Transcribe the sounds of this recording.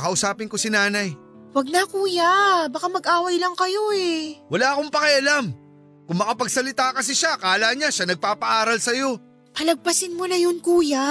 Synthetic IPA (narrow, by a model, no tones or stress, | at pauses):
kɐʔʊsaːpɪŋko̞sɪnaːnɐj | wɐɡ̚nɐkuːjabɐkamɐɡʔaːwɐjlɐŋkɐjo̞ɛwɐlaːkoŋpɐkɪɐlam | kʊŋmɐkɐpɐɡ̚sɐlɪt̪aːkɐs̬ɪʃakaːlaːɲaʃanɐɡ̚paːpɐʔaːɾɐlsɐjo̞ | pɐlɐɡ̚pɐsɪnmonɐjonkuːja